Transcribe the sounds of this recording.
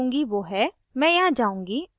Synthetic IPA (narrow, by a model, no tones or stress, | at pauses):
ũːŋɡiʋoːɦɛ | mɛ̃ːjɐɦãd͡ʒaːũːŋɡiː